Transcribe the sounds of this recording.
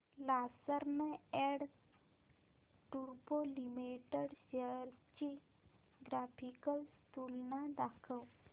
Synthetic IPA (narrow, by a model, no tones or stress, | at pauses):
lasəɾmẽɛɽ | ʈuɾpolimiʈeɽɕeəɾt͡ɕe | ɡɾapʰikəlst̪ulnad̪akʰəw